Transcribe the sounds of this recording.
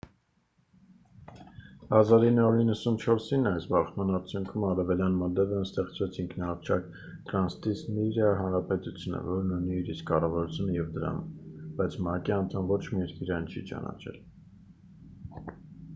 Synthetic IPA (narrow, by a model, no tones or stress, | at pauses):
hɑzɑɾinːɑuɾinːəsunt͡ʃʰɔɾsinɑjsbɑχmɑnɑɾt͡sʰjuŋkʰumɑɾɛvɛljɑnmɔd̪ɛvɛnst̪ɛχt͡svɛt͡sʰiŋkʰnɑɑt͡ʃʰɑk | t̪ɾɑnst̪isniɾjɑɦɑnɾɑpɛt̪ut͡sʰjunə̰vɔɾnuniːɾiskɑrɑvɑɾut͡sʰjunəjɛvd̪əɾɑ̰mb̥ɑjt͡sʰmɑkiɑnt̪ʰɑmvɔt͡ʃʰmiɛɾkiɾɑnt͡ʃʰit͡ʃɑ̰nɑ̰t͡ʃʰɛ̰l